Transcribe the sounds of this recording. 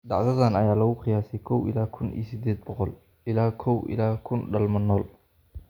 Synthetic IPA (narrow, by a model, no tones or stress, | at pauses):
d̪ɑʕðɐðanɐjaːlɐɣʊχɪjaːsɛjkʰɔwɪ̰laːkʰʊnḭːsɪd̪ɛːd̪̚bɔqɔl | ʔɪlaːkʰɔwʔɪ̰laːkʰʊnɖɐlmɐnɔːl